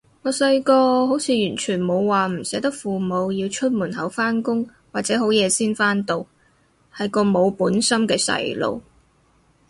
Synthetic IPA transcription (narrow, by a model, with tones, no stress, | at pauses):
ŋɔː˨˧sɐ˧jkɔː˧ho˨˥wt͡sʰiː˨˧jyː˨˩nt͡ʃʰyː˨˩nmo˨˧wwaː˨m̩˨˩sɛː˨˥t̪̬ɐ˥k̚fuː˨˩mo˨˧wji˧wt͡ʃʰɵ˥t̚muː˨˩nhɐ˨˥wfaː˥nkʊ˥ŋ | waː˨˩t͡sɛː˨˥ɦo˨˥wjɛː˨˧siː˥nfaː˥nt̪o˨˧w | hɐ˨˩jkɔː˧mo˨˧wpuː˨˥nsɐ˥mkɛː˧sɐ̰˧jlo̰˨˧w